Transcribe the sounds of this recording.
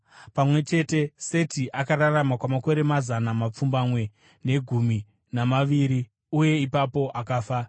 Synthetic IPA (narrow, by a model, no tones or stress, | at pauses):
pamwe̞t͡ʃe̞te̞se̞tiʔakaɾaramakwamako̞ɾe̞mazanamap͡fumbamwe̞ | ne̞ɡʱumi | namaʋiɾi | uje̞ipapo̞ʔakaːfa